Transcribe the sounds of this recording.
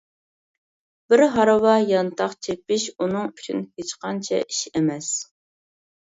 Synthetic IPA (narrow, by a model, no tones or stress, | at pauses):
bɪɾɦɑɾɨwɑjɑnt̪ʰɑχt͡ʃʰepɪʃunɨŋyt͡ʃʰynhet͡ʃqɑnt͡ʃʰɛ̰ʔiʃemɛs